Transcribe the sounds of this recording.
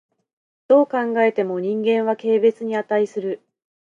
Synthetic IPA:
d̪̥o̞ːkãŋɡae̞t̪e̞mo̞ɲ̟ĩŋɡẽ̞ɰ̃βake̞ːbe̞t͡sɨɲ̟iat̪aisɨɾɯ̟

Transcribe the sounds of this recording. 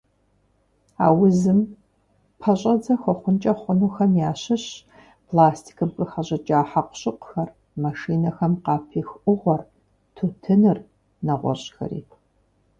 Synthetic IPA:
a̰ːwʊzɨm | pʰɐɕʼɐd͡zɐxʷɔχʷʊnt͡ʃʼɐχʷʊnuːxɐmjaːɕɪɕ | pʰlaːstʰi̥kʰɨmkʼɨxɐʑɐt͡ʃʼaːħaqʷʊ̥ɕʼɪqʷxɐr | maʃiːnɐxɐmqɑːpʰiːxʔʷʊʁʷɔr | tʰoːtʰɨnɨr | nɐʁʷɔ̰ɕʼxɐ̰ɾḭː

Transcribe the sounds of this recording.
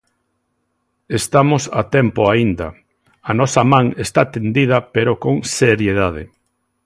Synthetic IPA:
est̪amosa̰t̪ɛmpoaind̪ɐ̰ | anɔsɐmãŋest̪at̪end̪iðɐpeɾokoŋseɾjeðað̞ḛ

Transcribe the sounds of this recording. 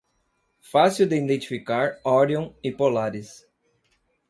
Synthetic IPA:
fasiwd̪eĩd̪ẽnt͡ʃi̥fikaɾɔɾiõɪpolaɾɪs

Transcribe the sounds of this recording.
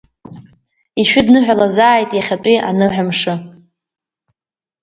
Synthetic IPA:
iʃᶣʊdnɨħʷᶣalazaːjtʼjaχʲat͡pʼiʔanɨħʷᶣamʂɨ

